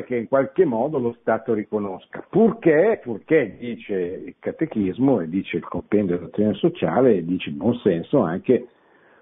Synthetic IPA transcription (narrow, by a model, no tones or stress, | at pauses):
k̟eiŋkwalkemːɔːd̪olost̪aːt̪oɾikonoskapurkepurked̪iːt͡ʃeilkat̪ek̟izmoed̪ːiːt͡ʃeilkompɛnd̪od̪elːat̪ːjonesot͡ʃa̰ːleːd̪ːiːt͡ʃeibwɔnsɛnsoaŋke